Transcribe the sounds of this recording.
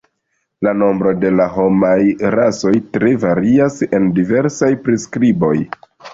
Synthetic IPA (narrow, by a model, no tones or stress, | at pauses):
lano̞mbɾo̞de̞laɦo̞majɾaso̞jtɾe̞vaɾiase̞ndive̞ɾsajpɾiskɾibo̞̰j